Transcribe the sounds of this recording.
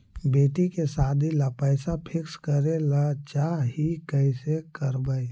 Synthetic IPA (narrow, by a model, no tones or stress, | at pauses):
beːʈikesaːd̪ʱilapɛːsapʰɪkskəɾelat͡ʃaːɦikɛɪsekəɾbai